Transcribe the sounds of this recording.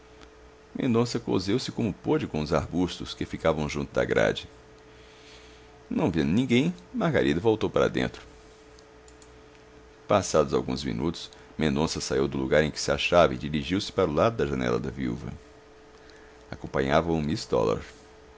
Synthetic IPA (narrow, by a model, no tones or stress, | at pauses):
mḛ̃nd̪õsɐkozewsɪkõmʊpod͡ʒɪkõʊzaɾbust̪ʊskɪfikavɐ̃w̃ʒũt̪ʊd̪ɐ̰ɡɾa̰d͡ʒɪ | nɐ̃w̃vĩnd̪ʊnĩɡẽj̃mahɡaɾʔid̪ɐvowt̪owpaɾɐ̰d̪ḛ̃nt̪ɾʊ̥ | pasad̪ʊzawɡũzmḭ̃nut̪ʊ̥s | mẽnd̪õsɐsaiwd̪ʊluɡaɾẽj̃kɪ̥sɪaʃavɐɪd͡ʒiɾiʒiwsɪ̥paɾʊlad̪ʊd̪ɐʒɐnɛ̰lɐ̰d̪ɐviṵvɐ̰ | akõpɐ̃ɲavɐʊmist̪ɔ̰la̰ɾ